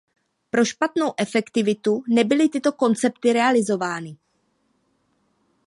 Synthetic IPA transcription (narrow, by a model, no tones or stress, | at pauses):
pɾo̞ʃpat̪nowʔɛfɛkt̪ɪvɪt̪unɛbɪlɪt̪ɪt̪o̞ko̞nt͡sɛp̚t̪ɪɾɛalɪzo̞vaːnɪ